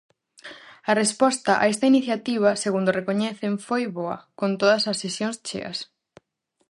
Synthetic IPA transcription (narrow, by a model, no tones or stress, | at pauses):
ɐrespɔst̪ɐʔa̰ɛst̪ɐiniθjat̪iβ̞ɐseɣund̪ʊrekoɲɛθeɱfojβoɐ̰kont̪oðɐsɐsesjoŋst͡ʃḛɐ̰s